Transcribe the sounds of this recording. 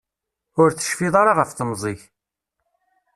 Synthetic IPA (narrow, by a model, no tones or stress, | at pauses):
ʊɾθə̥ʃfiðˤɑɾaʁəfθəmzˤɪç